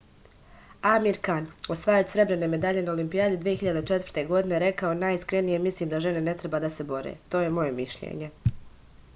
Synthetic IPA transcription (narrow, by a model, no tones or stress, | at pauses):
amiɾkanosʋaːjot͡ɕsɾe̞bɾe̞neme̞d̪aʎe̞naolimpiaːd̪id̪ʋijeçiʎad̪et͡ʃe̞t̪v̥ər̥ɾt̪e̞ɡo̞d̪ine̞ɾe̞kaonaːjiskɾe̞nije̞mislˠiːmd̪aʒenene̞t̪ɾebaːd̪ase̞bo̞ɾḛːt̪o̞ːje̞mo̞je̞miʃʎḛɲe̞